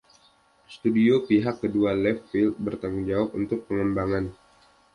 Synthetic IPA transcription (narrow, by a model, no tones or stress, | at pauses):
sə̥t̪udiopiɦakːədualɛfːilt̪̚bərt̪aŋud͡ʒawap̚unt̪ʊk̚pəŋəmbaŋan